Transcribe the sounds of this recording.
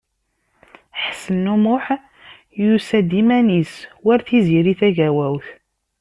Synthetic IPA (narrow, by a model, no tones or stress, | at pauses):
ħəsənːumʊħ | jusæd̪imæniswæɾθiziɾiθæʝæwæwθ